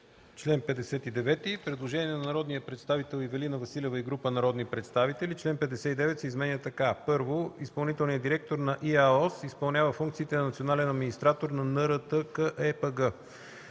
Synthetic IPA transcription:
t͡ʃlɛnpɛd̪ɛsɛt̪id̪ɛvɛt̪ipɾɛd̪lˠoʒɛniɛnɐnɐɾɔd̪nijəpɾɛt̪st̪avit̪ɛlˠivɛlinəvɐsilʲɛvəiɡɾupənɐɾɔd̪nipɾɛt̪st̪avit̪ɛlit͡ʃlɛnpɛd̪ɛsɛid̪ɛvɛt̪sɛizmɛnʲət̪ɐkapɤɾvoispɐlˠnit̪ɛlˠnijəd̪iɾɛk̚t̪oɾnɐʔiaɔsispɐlˠnʲavəfuŋkt̪sit̪ɛnɐnɐt̪sionalɛnɐd̪minist̪ɾat̪oɾnɐnɤɾət̪əkəʔɛpəɡə

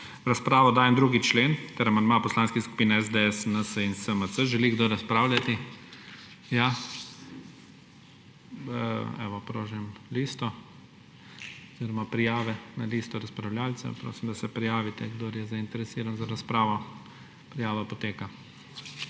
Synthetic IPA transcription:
ɾaspɾaːʋɔd̪aːjɛmd̪ɾuːɡit͡ʃleːnt̪ɛɾamanmapɔslaːnskisku̥piːnɛɛzd̪eɛsənəsəinsəməsəʒɛliɡd̪oːɾaspɾaːwlʲat̪i | ja | ɛ̰ʋɔpɾoːʒɛmlist̪ɔ | ɔz̥iːɾɔmapɾijaːʋɛnaliːst̪ɔɾaspɾawlʲjaːlt͡s̪ɛ̰pɾo̰ːsimd̪asɛpɾijaːʋit̪ɛɡd̪oːɾjɛzaint̪ɛɾɛsiːɾanzaɾaspɾaːʋɔ | pɾijaːʋapɔt̪eːka

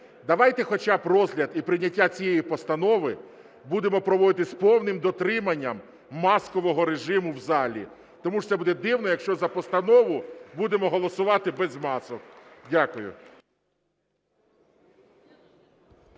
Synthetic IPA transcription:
d̪ɐʋɑjt̪ɛxɔt͡ʃɑbɾɔzɦlʲɐd̪ipɾɪnʲɐtʲːat͡sʲijɛjipɔst̪ɐnɔʋɪ | bud̪emɔpɾɔʋɔd̪ɪt̪ɪspɔwnɪmd̪ɔt̪ɾɪmɐnʲːɐmː | ɑskɔʋɔɦɔɾeʒɪmʊwzɑlʲḭ | t̪ɔmut̪sɛbud̪ɛd̪ɪwnɔjɐkʃt͡ʃɔzɐpɔst̪ɐnɔʋʊbud̪emɔɦɔlˠɔsʊʋɑt̪ɪbɛzmɑsɔkdʲakʊjʊ̰

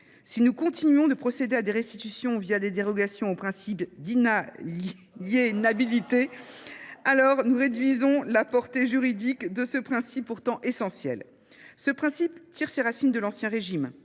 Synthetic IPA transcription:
sinukɔ̃t̪inɥɔ̃d̪əpχɔsed̪ead̪eʁɛst̪it̪ysjɔ̃vjad̪ed̪eʁɔɡasjɔ̃opχɛ̃sipd̪i | enabilit̪e | alɔʁnuʁed̪ɥizɔ̃lapɔʁt̪eʒyʁid̪ikd̪əsəpχɛ̃sipːuʁt̪ɑ̃ʔesɑ̃sjɛ̰l | səpχɛ̃sipt̪iʁseʁasind̪əlɑ̃sjɛ̃ʁeʒim

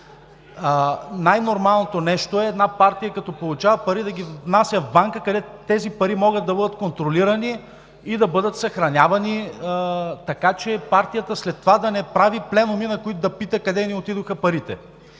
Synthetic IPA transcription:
najnoɾmalˠnot̪onɛʃt̪oɛːd̪napaɾt̪ijəkɐt̪ɔpolˠʊt͡ʃavɐpɐɾid̪ɐɡʲivnasʲjəvbaŋkəkɐd̪ɛt̪ | t̪ɛzipɐɾimɔɡət̪ːɐbɤd̪ət̪̚kont̪ɾoliɾɐniː | d̪ɐbɤd̪ət̪sɐxɾɐnʲavɐni | t̪ɐkat͡ʃɛpaɾt̪ijət̪əslɛt̪ːovad̪ɐnɛpɾaviplɛnʊminɐkoit̪ʊd̪ɐpit̪əkɐd̪ɛniot̪id̪oxəpɐɾit̪ɛ

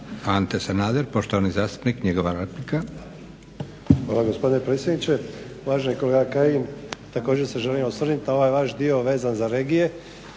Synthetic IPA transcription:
ant̪esanaːd̪eɾpo̞ʃt̪o̞ʋanizaːst̪u̥pnikɲeɡo̞ʋaɾet̪lika | xʋaːlˠaɡo̞spo̞d̪ine̞pɾet̪sʲjed̪nit͡ɕe̞ | ʋaːʒenikoleɡakajimt̪ako̞ːd͡ʑe̞ɾseʒelimosʋr̩nit̪nao̞ʋaːjʋaʃd̪io̞ʋe̞ːzanzaɾe̞ːɡije̞

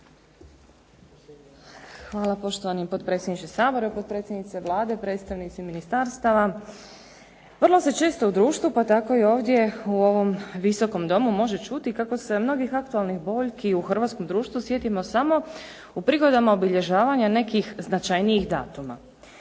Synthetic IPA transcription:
xʋaːlˠapo̞ʃt̪oʋanimpo̞t̪̚pɾe̞t̪sʲjed̪nit͡ʃesaːbo̞ɾepot̪̚pɾe̞t̪sʲje̞d̪nit̪seʋlˠaːd̪e̞pɾe̞t̪st̪aʋnit̪siminist̪aɾst̪aʋa | ʋr̩lˠo̞se̞t͡ʃe̞ːst̪o̞ud̪ɾuːʃt̪ʋupat̪ako̞io̞ːʋd̪je̞uo̞ʋo̞mʋiso̞ko̞md̪o̞mumo̞ʒe̞t͡ʃut̪ikako̞se̞mno̞ɡixak̚t̪ualˠnixbo̞ʎkiuxr̩ʋat̪sko̞md̪ɾuːʃt̪ʋusjet̪imo̞samo̞ | upɾiɡo̞d̪amaobiʎe̞ʒaːʋaɲane̞kixznat͡ʃajnijixd̪a̰ːt̪uma̰

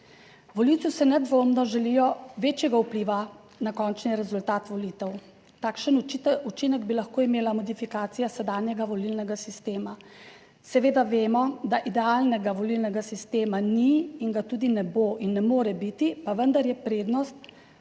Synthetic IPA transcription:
ʋɔliwt̪usɛnɛd̪ʋoːmnɔʒɛlijɔʋeːt͡ʃjɛɡaupliːʋa | nakɔːnt͡ʃniɾɛzult̪aːt̪ʋɔlit̪ɛw | t̪aːkʃənut͡ʃinɛɡbilaxkoːimeːlamɔd̪ifikaːt̪sijasɛd̪aːnjɛɡaʋɔlilnɛɡasist̪eːma | sɛʋeːd̪aʋeːmɔd̪aʔid̪ɛaːlnɛɡaʋɔlilnɛɡasist̪eːmaniːŋɡat̪uːd̪inɛboʔinːɛmoːɾɛbit̪ipaʋənd̪aɾjɛpɾeːd̪nɔst̪̚

